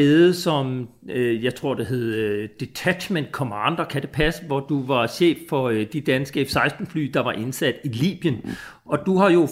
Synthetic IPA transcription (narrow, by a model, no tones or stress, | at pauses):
eːð̩ˠsɒ̽m | jɑ̈ɪt͡sʰʁo̝ɐ̰d̥e̝ɦe̝ð̩ˠd̥et͡sʰæ̥ɕmend̥̚kʰomɑ̈nd̥ɐkʰæd̥e̝pʰæsəʋɒd̥uʋɑ̈ɕḛːfːɒ̽d̥id̥ænsɡ̥əefsɑ̈ɪsd̥n̩fly̰ːd̥ɑ̈ʋɑ̈ʔe̝nsæd̥ilḭːb̥jən | ɒ̽d̥uhɑ̈jo̝